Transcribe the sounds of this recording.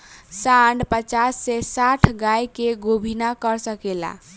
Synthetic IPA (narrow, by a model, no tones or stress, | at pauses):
saɳɖpət͡ʃasːɛsaʈʰɡajkeɡobʱinakəɾsəkela̰